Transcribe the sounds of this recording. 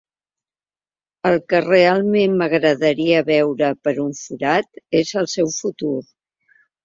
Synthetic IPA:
əlˠkərealˠmenməɣ̞ɾəðəɾiəβɛwɾəpəɾuɱfuɾat̪ezəlˠsɛwfut̪uɾ

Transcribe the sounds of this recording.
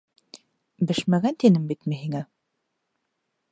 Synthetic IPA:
bɘʃmæɡænt̪inɘmbit̪mɘɦiŋæ

